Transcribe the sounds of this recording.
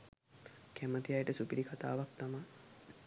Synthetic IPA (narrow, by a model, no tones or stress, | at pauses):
kʰæmət̪ijajʈəsupiɾikʰat̪a̰ːʋak̚t̪amaj